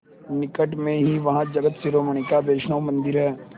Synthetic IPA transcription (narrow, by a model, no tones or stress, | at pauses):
nɪkəʈmẽɦiʋɐɦãd͡ʒɐɡət̪siɾoːməɳ̃ɪkabeːʃnəʋmɐ̃nd̪ɪɾɦɛː